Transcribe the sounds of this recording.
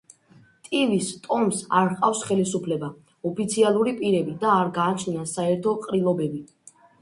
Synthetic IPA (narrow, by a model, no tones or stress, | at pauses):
t̪ʼivist̪ʼɔmsa̰ɾqʼafsχɛlisupʰlɛba | ɔpʰit̪sʰialˠuɾipʼiɾɛbid̪aːɾɡaːt͡ʃʰniasaɛɾt̪ʰɔqʼɾilˠɔbɛbi